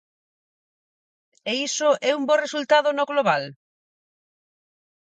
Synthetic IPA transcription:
eisoʔɛumboresult̪aðʊnoɣloβal

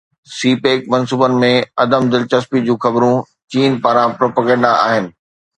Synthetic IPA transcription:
siːpeːk̚mɐ̃nsuːbənɪ̆mẽɐd̪əmd̪ɪlt͡ɕɐspid͡ʑũːxɐbɾũ | t͡ɕiːnpaːɾãpɾoːpəɡɛ̃ɳɖaa̰ːɦɪnɪ̆

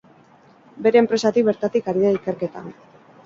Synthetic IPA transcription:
be̞ɾe̞ːmpɾe̞sat̪ik̚βeɾt̪at̪ikaɾiðaike̞ɾke̞t̪a̰

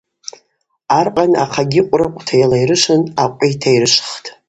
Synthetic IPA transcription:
arqʼana̰qʰaɡʲɪqʷʼrɨqʷʼtʰajalajɾɨʃɨnaqʷʼitʰajrɨʂʷχtʰʼ

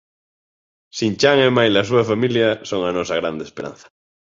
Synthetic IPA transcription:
sint͡ʃaŋemajlas̬uafamiljasoŋanosaɣ̞ɾand̪espeɾã̰n̟θḁ

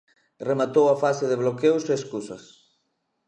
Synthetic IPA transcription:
remat̪owafaseðɪβ̞lokewseːskusɐs

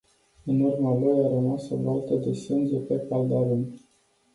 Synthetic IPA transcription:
ɨnurmalojaɾəmasəvalt̪əd̪esɨnd͡ʒepepald̪aɾun

